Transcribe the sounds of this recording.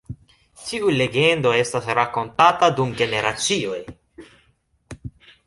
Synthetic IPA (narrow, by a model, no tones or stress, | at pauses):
tʰiule̞ɡe̞ndo̞e̞stasɾako̞ntatadumɡe̞ne̞ɾat͡sio̞j